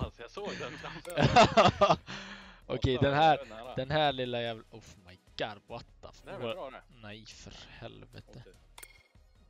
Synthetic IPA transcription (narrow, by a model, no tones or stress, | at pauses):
ʔɔkʰɛjd̪ɛnhæːɾd̪ɛnɦæːɭɪlːajæːvlɔfmajɡ̥aɾbɔat̪ːa̰pʰɔnaiːfəɾhɛ̰lvɛ̰t̪ə